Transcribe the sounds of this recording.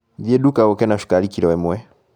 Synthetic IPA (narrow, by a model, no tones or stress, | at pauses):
ðiɛɗukaɔkɛnaʃu̥kalikiɾɔwɛmwɛ